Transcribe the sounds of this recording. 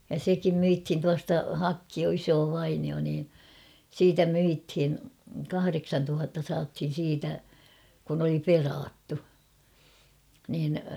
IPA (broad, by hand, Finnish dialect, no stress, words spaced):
jɑ sekim myithin tuɑstɑ hɑkːio isoː ʋɑinio niː siːtæ myithin̞ kɑhɑreksɑntuhɑtːɑ sɑːthin̞ siːtæ kun oli perɑːtːu niːn